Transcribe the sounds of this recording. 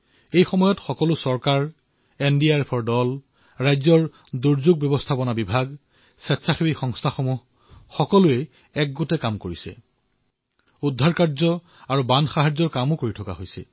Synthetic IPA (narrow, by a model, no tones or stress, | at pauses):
ejxɔmɔjɔtxɔkɔlʊsɔɹkaɹ | endiaɹpʰɔɹdɔl | ɹajzɔɹ | duɹzuɡ̚bɔbɔstʰapɔnabibʱaɡ | sɛtsʰaxibixɔŋstʰaxɔmuh | xɔkɔlʊɛ | ɛk̚ɡotɛkamkoɹisɛ̰ | udʱːaɹkaɹzɔ | aɹubanxaɦazɔɹkamʊkoɹitʰɔka̰ɦojsɛ̰